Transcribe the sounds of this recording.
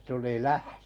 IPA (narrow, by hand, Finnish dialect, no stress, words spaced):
tuli læhtø̥